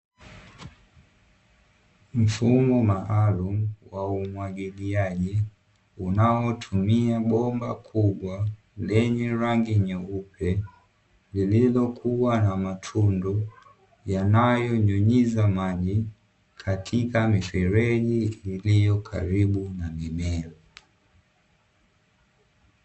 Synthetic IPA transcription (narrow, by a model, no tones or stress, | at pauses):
m̩fumɔmaʔːlumwaumwaɡiliaʄi | unawɔtʰumiaɓɔmbakʰuɓwa | lɛɲɛɾaŋɡiɲɔupɛ | lililɔkʰuwanamatʰundɔ | janajɔɲɔɲizamaʄi | kʰatʰikamifɛɾɛʄiilijɔkʰa̰ɾiɓunamimɛlɔ